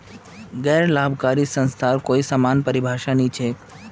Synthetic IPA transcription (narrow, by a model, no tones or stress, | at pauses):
ɡɛːɾlaːbʱkaːɾisə̃nst̪ʰaːɾkoːisaːmaːnpəɾɪbʱaːʃanĩt͡ʃʰeː